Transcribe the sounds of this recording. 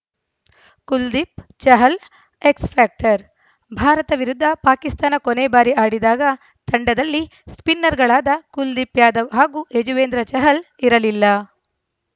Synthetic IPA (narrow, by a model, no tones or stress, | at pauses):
kuld̪ipt͡ʃɐɦɐl | ekspʰaːk̚ʈɐɾ | bʱaːɾɐt̪ɐʋiɾud̪ʱːɐpaːkist̪aːnɐkoneːbaːɾiʔaːɽid̪aːɡɐ | t̪ɐɳɖɐd̪ɐlːi | spinːɐɾɡɐɭaːd̪ɐkuld̪ipjaːd̪ɐʋɦaːɡuːed͡ʒuʋeːnd̪ɾɐt͡ʃɐɦɐl | iɾɐlilːɐ